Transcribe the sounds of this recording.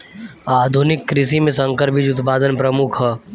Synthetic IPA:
aːd̪ʱʊnɪkːɾɪsimẽsɐ̃ŋkəɾpɪd͡ʒʊt̪paːd̪ənpɾəmʊkʰɦɛ

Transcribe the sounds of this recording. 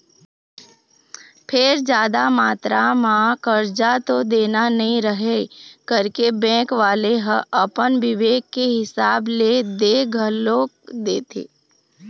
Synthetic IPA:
pʰɪɾd͡ʒjaːd̪amaːt̪ɾamãkəɾd͡ʒat̪od̪eːnanəɦĩɾəɦekəɾkebɛ̃ːkʋaːleɦəʔəpənʋɪʋeːkːeɦɪsaːbled̪eːɡʱəloː | d̪eːt̪ḛː

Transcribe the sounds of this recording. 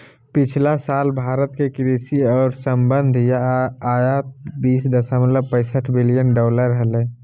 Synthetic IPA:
pɪt͡ʃʰlasaːlbʱaːɾət̪kekɾiːsiɔːɾsə̃mbə̃nd̪ʱjaaːjat̪biːsd̪əsamət̪ləb̚pə̃ɪsəʈʰbɪlijənɖɔːləɾɦəleː

